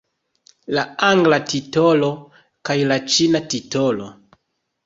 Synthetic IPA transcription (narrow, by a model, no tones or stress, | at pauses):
laaŋɡlatito̞lo̞ | kajlat͡ʃinatito̞lo̞